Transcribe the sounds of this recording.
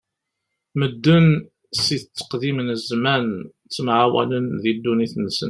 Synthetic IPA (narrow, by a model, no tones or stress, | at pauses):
məd̪ːən | siθət͡sːə̥qðimnəzmæn | t͡sːmʕawæ̰lənðid̪ːuniθnsə̰n